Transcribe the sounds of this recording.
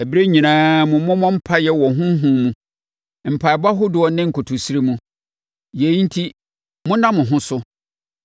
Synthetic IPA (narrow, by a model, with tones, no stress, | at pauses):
ɛ˨bi˦ɾe˦ɲĩ˨nãː˦mʊ̃˨mʊ̃˦mɔ̃˦m̩˦pʰa˦jɛ˦wɔ˨ɦʊ̃˦ɦũ˦mũ˨ | m̩˨pʰa˨ɛ˨ba˦ɦʊ˦dʊ˨ɔ˨nɪ̃˦ŋ̩˨kʰo˨tʰu˨si˦ɾe˦mũ˦ | je˨i˦n̩˦tʰi˦ | mʊ̃˦nã˦mʊ̃˨ɦʊ̃˦sʊ˦